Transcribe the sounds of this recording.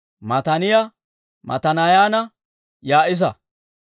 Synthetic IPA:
mɐt̪ɐnɪja | mɐ̰t̪ɐnɐjaːnɐ | jaːʔɪs̬ɐ

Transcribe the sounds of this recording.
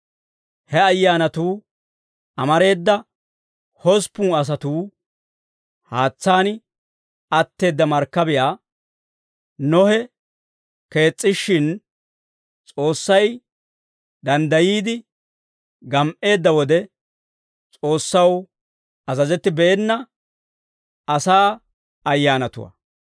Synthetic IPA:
hɛɐjːaːnɐt̪uː | ʔɐmɐɾe̞ːd̪ːɐ | hɔspːuːɐs̬ɐt̪uː | haːt͡sːaːnɪ | ɐt̪ːe̞ːd̪ːɐmɐɾkːɐbɪjaː | nɔhɛ | ke̞ːt͡sʼːɪʃːɪn | t͡sʼo̞ːsːɐj | d̪ɐnd̪ɐjiːd̪ɪ | ɡɐmʔe̞ːd̪ːɐwɔd̪ɛ | t͡sʼo̞ːsːɐw | ɐzɐzɛt̪ːɪbɛʔɛnːɐ | ɐsaː | ɐjːaːnɐt̪ʊ̰wɐ̰

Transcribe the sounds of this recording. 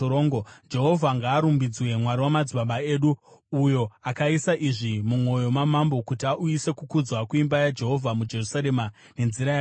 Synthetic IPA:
oːŋɡod͡ʒe̞ɦo̞vʱaŋɡaːɾumbid͡zwe̞mwaɾiwamad͡ziɓaɓae̞ːɗuujo̞akaisaʔiʐimumo̞jo̞mamambo̞kutiaʔuise̞kukud͡zwakuimbajad͡ʒe̞ɦo̞vʱamud͡ʒe̞rusaɾe̞ma | ne̞nziɾaja

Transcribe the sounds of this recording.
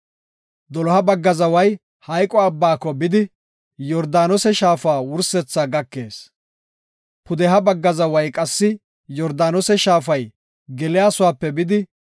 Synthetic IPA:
d̪ɔlɔhɐbɐɡːɐzɐwɐj | hɐjkʼɔɐbːaːkːɔbɪd̪ɪ | jɔɾd̪aːnɔsɛʃaːfaːwʊɾsɛt͡sːaːɡɐkːe̞ːs | pʊd̪ɛɦɐbɐɡːɐzɐwɐjkʼɐsːɪ | jɔɾd̪aːnɔsɛʃaːfɐj | ɡɛlɪjaːsʊwaːpːɛbɪd̪ɪ

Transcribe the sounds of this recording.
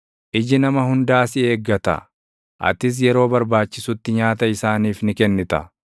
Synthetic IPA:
ʔɪd͡ʒɪnɐmɐhʊnd̪aːsɪe̞ːɡːɐt̪ɐ̰ | ʔɐ̰t̪ɪs̬jɛɾo̞ːbɐɾbaːt͡ʃːɪsʊt̪ːɪɲaːt̪ɐɪsaːniːfnɪkɛnːɪt̪ɐ̰

